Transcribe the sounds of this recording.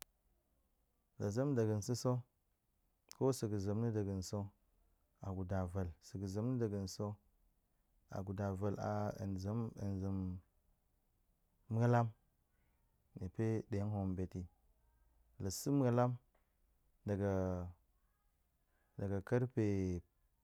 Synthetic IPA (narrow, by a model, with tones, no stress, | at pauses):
la˨za˦mda˨ɡə˨n˨si˦so˦ | ko˦si˨ɡə˨za˨mni˦da˨ɡə˨nso˦ | a˨ɡu˨da˨va˨lsi˨ɡə˨za˨mni˦da˨ɡə˨nso˦ | a̰˨ɡu˨da˨va˨la̰˨nza˦mə̰˨nzi˨m˦ | a˦la˦m | ni˨pe˦de˨˦n˦ho˨mbe˨ti˨˦ | la˨si˦m˦a˦la˦m | da˨ɡa˨ | da˨ɡa˨ka˦ɾpe˨